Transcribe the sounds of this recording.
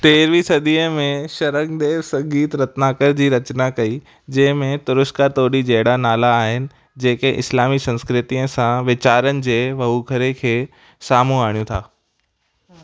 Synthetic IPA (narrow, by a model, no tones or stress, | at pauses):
t̪eːɾʋisɐd̪iːəmẽʃɐɾə̃ŋd̪eːʋsɐ̃ɡiːt̪ɾɐt̪naːkəɾd͡ʑiːɾɐt͡ɕnakɐi | d͡ʑɐ̃ɦɪ̃mẽt̪ʊɾʊskat̪oːɾid͡ʑɐɦɪɽanaːlaːɦɪnɪ̆ | d͡ʑeːkeʔɪ̰slaːmisɐ̃nskɾɪt̪iːə̃sãʋɪt͡ɕaːɾənɪ̆d͡ʑeːʋɐɦukʰəɾekʰeː | saːmũaːɽijũt̪ʰaː